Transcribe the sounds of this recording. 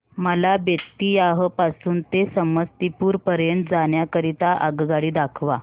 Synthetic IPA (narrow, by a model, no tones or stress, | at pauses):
məlabjək̚t̪iːjaɦəpasuːnt̪esəməst̪ipuːɾpəɾjəɳʈd͡zaɳjakəɾit̪aʔaɡɡaɽiːd̪akʰʋa